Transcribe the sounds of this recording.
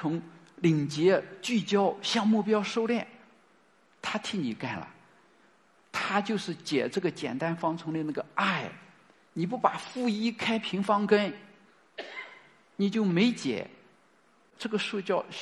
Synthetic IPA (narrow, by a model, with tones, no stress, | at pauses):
ʊ˧˥ŋ | li˨˩ŋt͡ɕjɛ˧˥t͡ɕy˥˩t͡ɕjɑ˥ʊɕjɑ˥˧ŋmu˥˩pjɑ˥ʊʂo˥˧ʊljɛ˥˩n | t̪ʰa˥t̪ʰi˥˩ni˨˩ka˥˩nlə̰˩ | t̪ʰa˥t͡ɕjo˥˧ʊʂɻ̩˥˩t͡ɕjɛ̰˨˩ʈ͡ʂɤ˥˩ɡə˩t͡ɕjɛ̰˨˩nt̪a˥nfɑ˥ŋt͡sʰʊ˧˥ŋlə˧na˥˩ɡə˩a˥˩ɪ | ni˨˩p̬u˥˩pa˨˩fu˥˧i˥kʰa˥ɪpʰi˧˥ŋfɑ˥ŋkə˥n | ni˨˩t͡ɕjo˥˩ʊme˧˥ɪt͡ɕjɛ̰˨˩˦ | ʈ͡ʂɤ˥˩ɡə˩ʂu˥˧t͡ɕjɑ˥˩ʊ